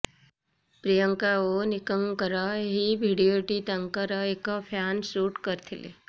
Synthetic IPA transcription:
pɾijəŋkaonɪkəŋkəɾəɦibʱiɽijoːʈit̪əŋkəɾəekəpʰaːnsuːʈkəɾt̪ʰɪlḛ

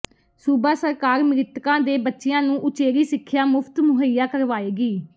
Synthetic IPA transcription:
suːbaːsəɾkaːɾmɪɾɪt̪kãːd̪eːbətːʃɪjãːnũːʔʊt͡ʃeːɾiːsɪkʰːɪjaːmʊpʰt̪mʊɦəjaːkəɾʋaːeːɡiː

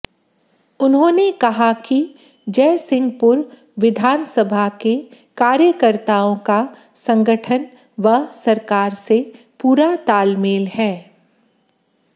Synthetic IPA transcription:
ʊnɦõːnekɐɦaki | d͡ʒɛːsɪ̃ŋɡ̚pʊɾ | ʋɪd̪ʱaːnsəbʱake | kaːɾjəkəɾt̪aːõka | sɐ̃ŋɡəʈʰən | ʋɐsɐɾkaːɾse | puːɾat̪aːlmeːlhɛː

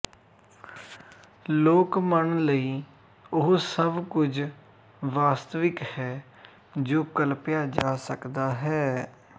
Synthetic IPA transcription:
loːkməɳləiː | ʊɦsəbkʊd͡ʒ | ʋaːst̪əʋɪkhɛː | d͡ʒoːkəlpɪjaːd͡ʒaːsəkd̪aːɦɛː

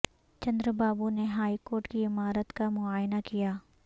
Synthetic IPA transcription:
t͡ʃɐ̃nd̪ɾəbaːbuneɦaːikoːɾʈkiɪmaːɾət̪kamʊaːjnakijaː

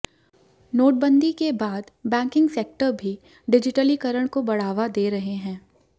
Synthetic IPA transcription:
noːʈ̚bə̃nd̪ikebaːd̪bɛ̃ːŋkɪ̃ŋɡseːk̚ʈəɾbʱi | ɖɪd͡ʒɪʈəlikəɾəɽ̃kobɐɽ̤aːʋad̪eːɾɐɦeɦɛ̃ː

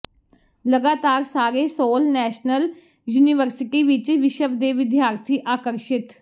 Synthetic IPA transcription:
ləɡaːt̪aːɾsaːɾeːsoːlnɛːʃnəl | juːniʋəɾsɪʈiːʋɪt͡ʃʋɪʃəbd̪eːʋɪd̪ʱjaːɾt̪ʰiːʔaːkəɾʃɪt̪

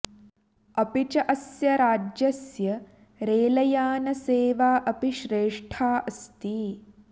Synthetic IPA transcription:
ɐpit͡ʃɐʔɐsjɐɾaːd͡ʒjɐsjɐ | ɾeːlɐjaːnɐseːʋaːʔɐpiʃɾeːʂʈʰaːʔɐst̪i

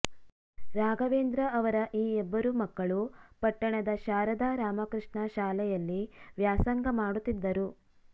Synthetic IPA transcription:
ɾaːɡɐʋeːnd̪ɾɐɐʋɐɾɐʔiːɛbːɐɾumɐkːɐɭupɐʈːɐɳɐd̪ɐʃaːɾɐd̪aːɾaːmɐkɾɨʂɳɐʃaːlɛjɐlːiʋjaːsɐŋɡɐmaːɽut̪ːid̪ːɐɾu

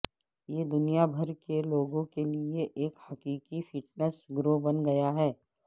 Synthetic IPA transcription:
jeːd̪ʊnijabʱɐɾkeloːɡõkelieʔeːkhɐkiːkifɪʈnəsɡɾobɐnɡɐjaɦɛː

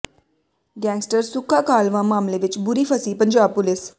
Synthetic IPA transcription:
ɖjãŋksʈəɾsukʰakalʋãmamleʋit͡ɕbuɾiːfəsiːpənd͡ʑapules

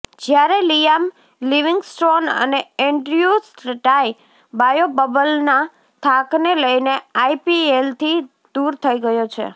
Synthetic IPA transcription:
d͡ʒjaɾelijam | liʋiŋɡsʈɾonə̰neeɳɖɾiusɾʈai | bajobəbəlna | t̪ʰakneləjneaipielt̪ʰi | d̪uɾt̪ʰəiɡəjot͡ʃʰḛ

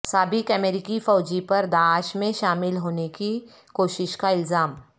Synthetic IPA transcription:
saːbɪkɐmɛɾɪkifɔːd͡ʒipɐɾd̪aːʃmẽʃaːmɪlɦoːneki | koːʃɪʃkaɪlzaːm

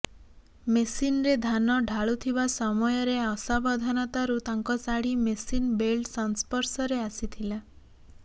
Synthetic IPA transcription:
mesinɾed̪ʱanɔɖʱaɭut̪ʰibasɔmɔjɔɾeɔsabɔd̪ʱanɔt̪aɾut̪aŋkɔsaɽimesinbelsɔnspɔɾsɔɾeasit̪ʰila

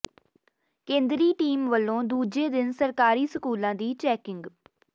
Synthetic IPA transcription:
kẽːnd̪ɾiːʈiːmʋəlːõːd̪uːd͡ʒeːd̪ɪnsəɾkaːɾiːsəkuːlãːd̪iːt͡ʃɛːkɪŋɡ

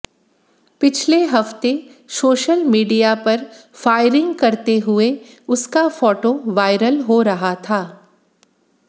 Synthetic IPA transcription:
pɪt͡ʃʰleɦɐft̪e | soːʃəlmiːɖijapɐɾfaːɪɾɪ̃ŋɡkɐɾt̪eɦʊe | ʊskafɔːʈoʋaːɪɾəlɦoɾɐɦat̪ʰaː

